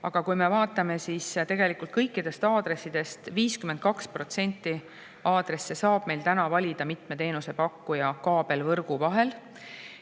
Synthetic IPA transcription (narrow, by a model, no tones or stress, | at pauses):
ɑɡ̥ɑkujme̞vɑːt̪ːˑɑme̞sist̪e̞ɡe̞likult̪̚kɤjkːˑid̪e̞st̪ɑːd̪̥re̞sːid̪̥e̞st̪viːskyment̪̚kɑkspro̞t̪se̞nʲt̪ːi | ɑːd̪̥re̞sːe̞sɑːb̥me̞jlt̪ænɑvɑlʲid̪̥ɑmit̪ˑme̞t̪e̞ːnuse̞pɑkːujɑkɑːb̥e̞lvɤrɡ̥uvɑɦe̞l